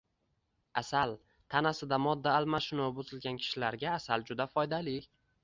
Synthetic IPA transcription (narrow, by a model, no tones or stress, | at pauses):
asal | t̪ʰanasɪd̪amɒd̪ːaːlmaʃɪnobʊzɪlɡʲankʲʰɪ̥ʃɪlaɾɡʲaːsald͡ʒʊd̪afɒjd̪alɪ